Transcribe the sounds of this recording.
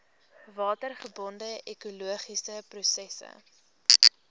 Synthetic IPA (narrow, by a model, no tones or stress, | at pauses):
vɑːtərχəbɔndəʔɛkuluəχisəprusɛsə̰